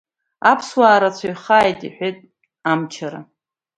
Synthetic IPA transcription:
apʰswaːɾat͡sʷʰajχaːjtʼiħʷᶣetʼ | amt͡ʃʰaɾa̰

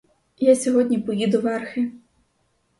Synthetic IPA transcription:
jasʲɔɦɔdʲnʲipɔjid̪ʊʋɛrxɪ

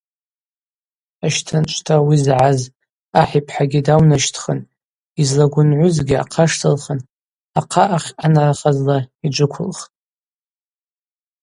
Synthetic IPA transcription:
aʃtʰant͡ʃʷʰʼtʰawizʕaz | aħipʰħaɡʲidawnaʃtʰχən | izlaɡʷʊnʕʷʊzɡʲia̰qʰaʂtʰalχən | aqʰaʔaχʲanaraχazlaid͡ʒʷʊkʷʰʊ̰lχtʼ

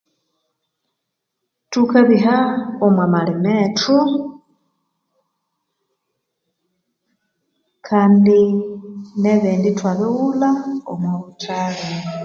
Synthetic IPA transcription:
tukaβiɦaomwamalimeto | kʰaːndi | neβeːnditwaβeɣulao̰mwaβutaːla

